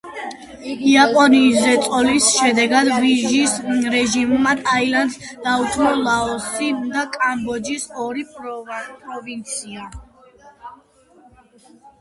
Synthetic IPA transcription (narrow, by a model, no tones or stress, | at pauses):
iapʼɔniːzɛt̪sʼɔlisʃɛd̪ɛɡad̪viʒisɾɛʒimmad̪ʰailand̪d̪aut̪ʰmɔlaɔsid̪akʼambɔd͡ʒisɔɾi | pʼɾɔvint̪sʰia